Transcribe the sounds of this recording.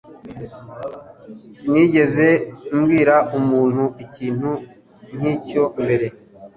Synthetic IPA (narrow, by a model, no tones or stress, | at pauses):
siniːɟe̞ze̞umɡiːɾaumuːn̥huʔiciːn̥hu | n̥iːco̞mbe̞ɾe̞